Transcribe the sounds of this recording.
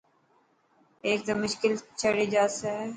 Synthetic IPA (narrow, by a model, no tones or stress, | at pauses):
eːk̚d̪ɐmːʊʃkɪlt͡ʃʰəɽed͡ʒaːse